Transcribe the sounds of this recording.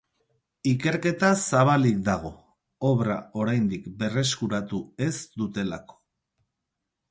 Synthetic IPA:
ike̞ɾke̞t̪asaβ̞alik̚d̪aɣ̞o̞ | oβɾa̰o̞ɾajnd̪ikbe̞re̞skuɾat̪ue̞zd̪ut̪e̞la̰ko̥

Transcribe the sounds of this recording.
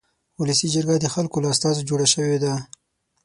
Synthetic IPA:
wʊləsid͡ʒəɾɡad̪əxalkolaːst̪ɑzod͡ʒoɽaʃəwed̪a

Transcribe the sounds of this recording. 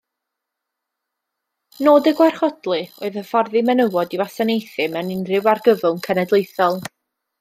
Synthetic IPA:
noːdəɡwarχɔdlˠɨoɨðəfɔrðimɛnəwɔdivasanejθɨmɛwnɪnrɪwarɡəvʊlˠnkʰɛnɛdlˠejθɔlˠ

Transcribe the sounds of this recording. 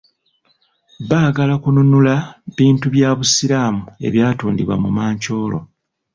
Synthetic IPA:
βaːɡalakununulaβiːntuβjaːβusiɾaːmue̞̰βjaːtuːndḭβwa̰mumaːɲco̞ːlo̞̰

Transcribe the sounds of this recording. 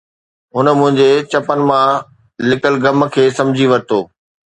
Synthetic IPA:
ɦʊnmʊ̃ɦɪ̃ɲd͡ʑet͡ɕɐpənɪ̆mã | lɪkəlɡɐm̆kʰeːsɐ̃md͡ʑʱiʋɐɾt̪oː

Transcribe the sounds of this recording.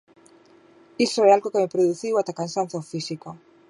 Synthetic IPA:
istoealɣokemepɾoðuθiwat̪akansãn̟θawfisiko

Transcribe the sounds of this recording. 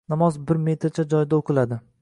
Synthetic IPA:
namɒzbɪɾme̞t̪ʰɪɾt͡ʃʰad͡ʒɒjd̪aoqʰɨlad̪ɪ

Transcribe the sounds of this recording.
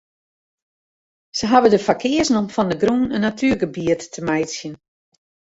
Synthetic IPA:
səɦavədəfakʰɪəsnomfɔndəɡrunənːatʰyːrɡəbiətːəmajtsjən

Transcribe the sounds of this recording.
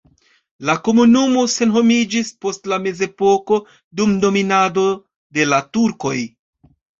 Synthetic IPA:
lako̞munumo̞se̞nɦo̞mid͡ʒispo̞stlame̞ze̞po̞ko̞ | dumdo̞minado̞ | de̞latuɾko̞j

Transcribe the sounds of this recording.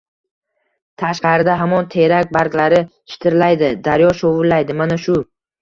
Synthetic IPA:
t̪ʰaʃqɑɾɪd̪aɦamɒnt̪ʰe̞ɾak̚ʲbaɾkʲlaɾɪ | ʃɪ̥t̪ʰɪɾlajd̪ɪd̪aɾjɒʃovʊlːajd̪ɪmanaʃʊ

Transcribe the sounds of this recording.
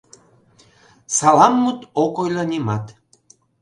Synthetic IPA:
sɑlɑmːut̪okojlɑnʲimɑt̪

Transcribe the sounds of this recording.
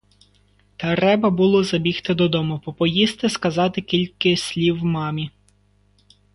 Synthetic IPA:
t̪ɐɾɛbɐbulˠɔzɐbʲixt̪ɪd̪ɔd̪ɔmʊpɔpɔjist̪ɪskɐzɑt̪ɪkʲilʲkɪsʲlʲiwmɑmʲi

